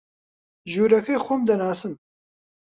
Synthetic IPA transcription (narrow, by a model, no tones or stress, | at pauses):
ʒuːɾɐkʰejxʷʊmd̪ɐnaːsɨm